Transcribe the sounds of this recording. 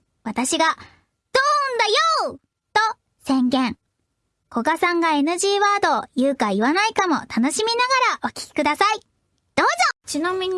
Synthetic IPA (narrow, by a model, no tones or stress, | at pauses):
βat̪aɕiɡa | d̪̥oːɯ̃nd̪ajoː | t̪o̞ | sẽ̞ŋɡẽ̞ŋ | ko̞ɡasãŋɡae̞nɯ̟ʑiːβaːd̪o̞jɯ̟ːkaiβanaikamo̞t̪ano̞ɕimʲinaɡaɾaʔo̞kʲi̥kʲi̥kɯ̟d̪asai | d̪̥o̞ːzot͡ɕinamʲiɲ̟i